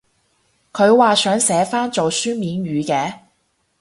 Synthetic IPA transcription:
kʰɵ˨˧ɥwaː˨sœː˨˥ŋsɛː˨˥faː˥nt͡so˨wsyː˥miː˨˧nɥyː˨˧kɛː˨˧

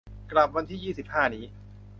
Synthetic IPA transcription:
kla˨˩p̚wa˧nt̪ʰiː˥˩jiː˥˩si˨˩p̚haː˥˩niː˦˥

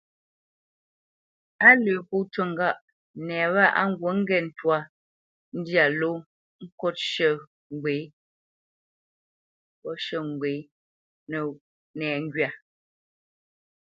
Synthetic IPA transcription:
a˦lə˨pu˦˨tə˨ŋ˨ɡa˦˨ʔ | nɛː˨βa˦˨ʔa˦˨ŋ̩˦ɡwo˨˦ŋ̩˦ɡɛ˦˨n̩˨twa˦˨ | n̩˦dja˨lo˦ | ŋ̩˦kɔ˦t̚ʃə˦˨ | ŋ˨ɡwe˨˦ | pɔ˦ʃə˦˨ŋ˨ɡwe˨˦ | nə˨ | nɛː˨ŋ̩˦ɡɥa˨

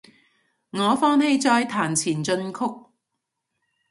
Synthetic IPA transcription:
ŋɔː˨˧fɔː˧nhe˧jt͡sɔː˧jt̪ʰaː˨˩nt͡sʰiː˨˩nt͡sɵ˧nkʰʊ˥k̚

